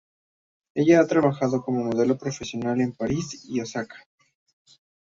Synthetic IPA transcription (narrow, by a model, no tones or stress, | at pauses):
e̞ʝaat̪ɾaβaxaðo̞ko̞mo̞mo̞ð̞e̞lo̞pɾo̞fe̞sjo̞nale̞mpaɾisiosakḁ